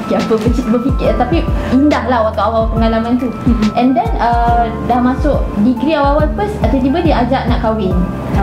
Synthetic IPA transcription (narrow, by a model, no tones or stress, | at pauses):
kiapəbət͡ʃit̪bəfikɪrt̪apiindahlahwat̪awawawapəŋalamãnt̪uʔɛndɛnə | dahmãsʊʔdiɡɾiawawanpəsat̪at̪ibadiad͡ʒaʔnãʔkawɪn